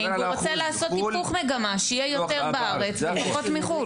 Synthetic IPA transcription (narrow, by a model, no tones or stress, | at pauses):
iuʁot͡selaːso̞t̪ipuχmeɡamaʃeijejo̞t̪eʁbaaʁet͡sepaχot̪miχu